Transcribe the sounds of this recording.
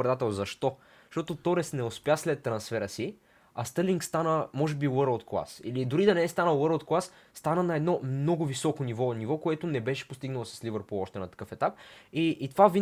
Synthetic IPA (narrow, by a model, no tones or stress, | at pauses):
ɾɛd̪at̪ɛlˠzɐʃt̪ɔ | ʃt̪ɔt̪ot̪ɔɾɛsnɛospʲjaslɛt̪ːɾɐnsfɛɾəsi | ɐst̪əɾliŋkst̪anəmɔʒɛbiwəɾəlˠt̪̚klˠa̰sḭlid̪ʊɾid̪ɐnɛɛst̪anəwəɾəlˠt̪̚klˠasːt̪anənɐɛd̪nɔmnɔɡʊvisɔkonivɔnivɔkoɛt̪ʊnɛbɛʃɛ̥post̪iɡnɐlˠosɐslivəɾpoɔʃt̪ɛnɐt̪ɐ̥kɤfɛt̪ap̚iʔːt̪ovavi